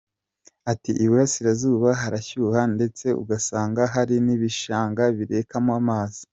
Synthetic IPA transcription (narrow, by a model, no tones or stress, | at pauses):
atiʔiβuɾasiɾazuːβaɦaɾaçuːhande̞t͡se̞ṵɡasaːŋɡaɦaɾiniβiʃaːŋɡaβiɾe̞ːkamamaːzi̥